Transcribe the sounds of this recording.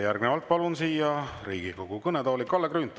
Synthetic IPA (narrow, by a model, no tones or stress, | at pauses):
jærɡ̥nevɑlt̪̚pɑlunsiːjɑrḭːɡ̥ikoɡ̥ukɤnet̪oːlikːˑɑlːekryːnt̪ːˑu